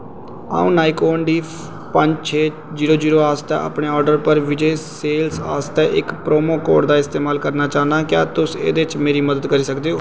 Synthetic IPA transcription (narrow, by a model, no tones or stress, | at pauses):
a̰ːṵ̃ːnaːikoːɳɖiː | pəɲd͡ʒt͡ʃʰeː | d͡ʒiːɾoːd͡ʒiːɾoːaːst̪ɛ̰ːa̰ːpɳeːɔːɾɖəɾpəɾʋɪd͡ʒeːseːlsa̰ːst̪ɛːʔɪkpɾoːmoːkoːɖd̪aːɪst̪eːmaːlkəɾnaːt͡ʃaːnaːkja̰ːt̪ʊsḛːd̪eːɪt͡ʃmeːɾiːməd̪əd̪kəɾiːsəkd̪eːɦoː